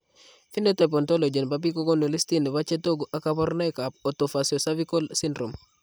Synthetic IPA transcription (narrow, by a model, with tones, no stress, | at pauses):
fi˦no˦te˨p̬o˨nto˦lo˨d͡ʒe˨nbabi˦ko˦ɡo˦no˨li˦sti˦ne˨βa˦t͡ʃe˦to˦ɡu˨ʔa˦kabɔ˦ɾna˦jka˨p̚o˨to˨fasio˨sa˦βi˦ko˦lsindɾo˨m